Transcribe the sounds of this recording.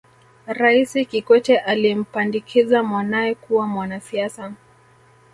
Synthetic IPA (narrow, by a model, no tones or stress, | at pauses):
ɾaisikikwɛtɛʔalim̩pandikʰizamwanaɛkuwamwanasiasa